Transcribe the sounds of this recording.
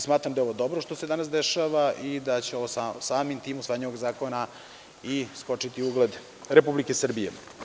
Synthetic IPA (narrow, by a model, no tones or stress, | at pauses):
smaːt̪ɾamd̪aeo̞ʋod̪obɾoʃt̪osed̪anasd̪eʃaʋaʔid̪at͡ɕe̞oosasaːmimt̪iːmusʋaːɲeʋoɡzaːko̞na | isko̞t͡ʂit̪iuɡled̪ | ɾepublikesr̩bijḛ